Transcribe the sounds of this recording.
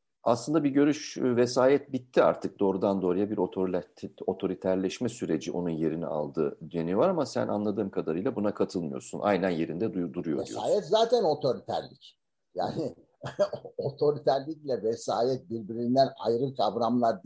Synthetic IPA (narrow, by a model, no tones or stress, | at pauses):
aslˠɯnd̪abiɟø̞ɾyʃvɛsaːjɛt̪̚bit̪ʰːia̰ɾt̪ʰɯk̚d̪o̞ːɾud̪and̪o̞ɾajabiɾo̞t̪ʰoɾʲʰo̞t̪ʰo̞ɾit̪ʰæɾlʲɛʃmɛsyɾe̞d͡ʒiʔo̞̰nunje̞ɾinḭʔa̰lˠd̪ɯːd̪jenijovˠaɾamasæ̰nʔa̰nlˠad̪ɯːmkʰad̪aɾɯjlˠabunakʰat̪ʰɯlˠmɯjo̞̰ɾsunʔa̰jnænje̞ɾind̪ɛd̪ujd̪uɾujovejsa̰ːjɛt̪zaːt̪ʰæno̞t̪ʰo̞ɾit̪ʰæ̰ɾlʲic | ja̰ːnɪ | ot̪ʰo̞ɾit̪ʰæɾlʲiclʲɛvɛsaːjɛt̪̚biɾbiɾind̪æna̰jɾɯkʰavɾamlˠaɾd̪